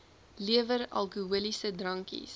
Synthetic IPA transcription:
liəvəɾɐ̰lˠkuuəlisədrɐŋkḭs

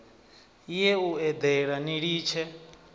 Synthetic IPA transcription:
ijɛuɛd̪ɛɺaniɺiːt͡ʃʰɛ

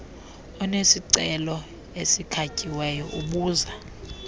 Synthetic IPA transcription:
ɔnesiǀɛlɔ | esikʰacʼiwɛjɔʔuɓuːza

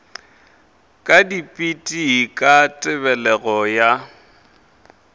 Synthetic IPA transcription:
kʼadipʼitʼikʼatʼɪbɛlɛɣɔja

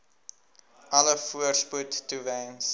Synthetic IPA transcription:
ɐləfuərsputːuvɛ̃ns

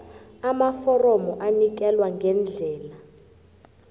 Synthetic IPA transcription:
amafɔrɔmɔʔanik̬ɛlwaŋɡʱɛnd͡ɮʱɛːla

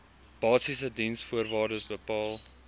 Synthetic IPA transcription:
b̥ɑːsisədinsfuərvɑːrdəsbəpɑːlˠ

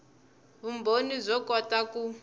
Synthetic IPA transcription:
βumbʱonizʷɔkɔtaku

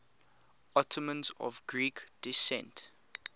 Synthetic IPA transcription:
ɔtʰəmə̃nzɔ̰vɡɹikd̥isɛ̰̃nt

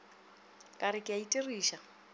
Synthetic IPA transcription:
kʼaɾɪkʼɪaitʼiriːʃa

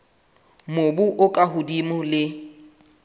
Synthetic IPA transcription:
mobuʔʊkʼaɦʊdimʊlɪ

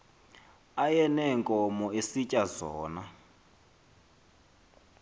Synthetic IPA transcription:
ajɛnɛŋkʼɔmɔesicʼazɔːna

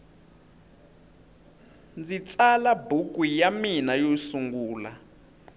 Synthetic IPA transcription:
nd͡zit͡salabuk̬ʼijaminajosuŋɡuːla̰

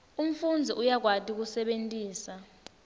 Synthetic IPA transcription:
um̩fund͡zʱiʔujak̬watʰʼik̬usɛɓentʼiːsa

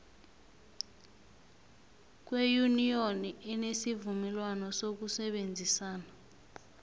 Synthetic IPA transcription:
k̬wejunijoniʔɛnesivumɛlwanɔsok̬usɛɓend͡zʱisaːna

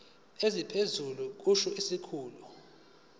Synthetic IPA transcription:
ezipʰezuluk̬uʃuisikʰuːlu

